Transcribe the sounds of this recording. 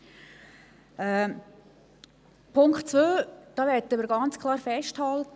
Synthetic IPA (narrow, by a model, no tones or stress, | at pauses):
ɛː | pʰʊŋktt͡sʋøːd̥ɑːʋɛdəməɾɡɑnt͡skʰlˠɑːɾfɛʃthɑlt